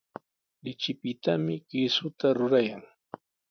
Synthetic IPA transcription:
lɪt͡ʃɪpɪt̪amɪɢɪsʊt̪aɾʊɾajaŋ

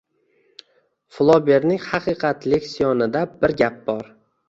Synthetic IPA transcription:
flˠɒbeɾnɪŋhɑqʰɨqʰɑt̪ʰlɪkʲsijɒnɪd̪abɪɾɡʲap̚bɒɾ

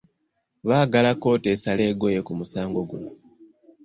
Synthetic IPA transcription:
βaːɡalako̞ːte̞ːsale̞ːɡo̞je̞kumusaːŋɡo̞ɡuno

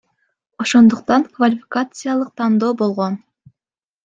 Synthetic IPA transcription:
o̞ʃo̞nd̪uqt̪ɑŋkvalʲɪfʲɪ̥kat̪sɨjalˠɯq̚t̪ʰɑnd̪o̞ːbo̞lˠʁo̞n

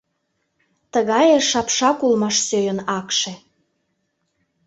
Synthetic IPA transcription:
t̪əɣɑjeʃɑpʃɑkulmɑʃsøjənɑkʃe

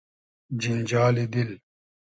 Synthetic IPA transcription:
d͡ʑind͡ʑaːlid̪il

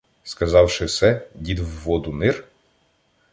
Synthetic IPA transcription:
skɐzɑwʃɪsɛdʲid̪wːɔd̪ʊnɪr

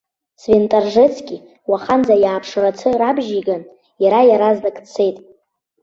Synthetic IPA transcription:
sventʼarʐɨt͡sʰkʲʼi | waχand͡zajaːpʰʂɨrat͡sʰɨrabʒiɡan | jaɾajaɾazdakʼt͡sʰe̞jtʼ

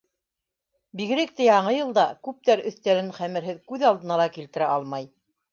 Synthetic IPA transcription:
biɣɘ̆ɾɘ̆k̚t̪æjɑɴɤjɤ̆lˠd̪ɑkʉp̚t̪æɾɵ̆θt̪æɾɘɴχæmɘ̆ɾɦɘðkʉðɑlˠd̪ɤ̆nɑlˠɑkilt̪ɘ̆ɾæɑlˠmɑj

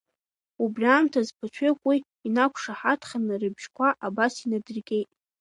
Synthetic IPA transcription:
ubrʲiamtʰazpʰat͡ʃʷʰekʷʼʊ | inakʷʰʂaħatʰχanɨrɨbʒkʷʰaʔabasinadɨrɡʲe̞jtʼ

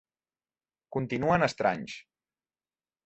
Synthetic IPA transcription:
kunt̪inuənəst̪ɾa̰ɲs

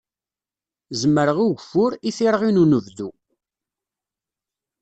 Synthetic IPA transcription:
zəmːəɾəʁiʝfʊɾiθiɾʁinunəvðu

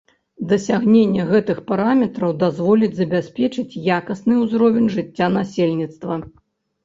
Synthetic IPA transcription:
d̪ɐsʲaɣnʲenʲːɛɣɛt̪ɨxpaɾamʲɛt̪ɾɐwd̪azvɔlʲid͡zʲzɐbʲasʲpʲɛt͡ʂɨt͡sʲjakɐsnɨuzɾɔvʲɛnʲʐɨt͡sʲːanasʲelʲnʲit̪st̪vɐ

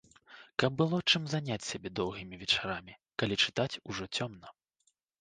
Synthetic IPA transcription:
kɐb̚ːɨlˠɔt͡ʂɨmzanʲat͡sʲsʲabʲɛd̪ɔwɣʲimʲivʲɛt͡ʂaɾamʲikalʲit͡ʂɨ̥t̪at͡sʲuʐɔt͡sʲɔmnɐ

